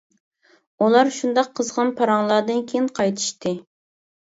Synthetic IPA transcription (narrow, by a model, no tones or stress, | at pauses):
ulˠɑɾʃund̪ɑqʰːəzʁɑnpʰɑɾɑŋlˠɑɾd̪ɨnkʲʰejinqʰɑjt̪ʰɨ̥ʃt̪ɨ